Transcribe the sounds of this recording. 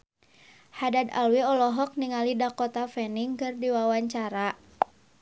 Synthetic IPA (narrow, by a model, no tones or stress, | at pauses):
hadad̪a̰lwiɔlɔɦɔk̚niŋalidakɔt̪afɛniŋkɨrdiwawaɲt͡ʃaɾa